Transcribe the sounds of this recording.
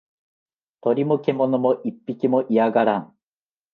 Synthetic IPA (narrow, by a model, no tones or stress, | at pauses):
t̪oɾʲimokemonomoʔipʲːikʲimoʔiaɡaɾaŋ